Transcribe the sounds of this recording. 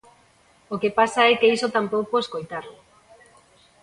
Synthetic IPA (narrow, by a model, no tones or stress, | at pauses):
okepasaɛkeisot̪ampowpoeskojt̪aɾlʊ